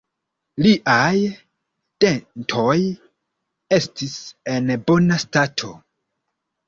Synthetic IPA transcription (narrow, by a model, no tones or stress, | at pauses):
liʔaj | te̞ntʰo̞j | e̞stise̞nbo̞nastatʰo̞